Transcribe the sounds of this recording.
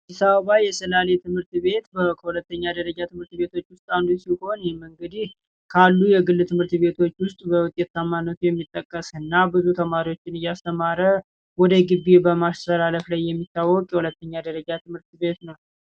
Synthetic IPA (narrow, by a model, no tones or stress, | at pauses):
d̪isaβəβajɛsəlale̞t̪ʰɨmhɨɾt̪βe̞t̪bəkʰəhulət̪ːəɲːad̪əɾəd͡ʒat̪ʰɨmhɨɾt̪βe̞t̪ʰo̞t͡ʃːwʊst̪ʼand̪usiho̞njɛmɨŋɡəd̪ih | kʰalːujɛɡɨlːɨt̪ʰɨmhɨɾt̪βe̞t̪ʰo̞t͡ʃːwʊst̪ʼbəwʊt̪ʼːet̪ːamːanːət̪ʰujɛmːit̪ʼːəkʼːəsɨnːabɨzut̪ʰəmaɾiwo̞t͡ʃːɪnɨjːast̪ʰəmaɾə | wɔd̪əɡɨβebəmast̪əlaləflajːɛmːit̪ːawːɔkʼjɛhulət̪ːəɲːad̪əɾəd͡ʒat̪ɨmhɨɾt̪be̞t̪nəw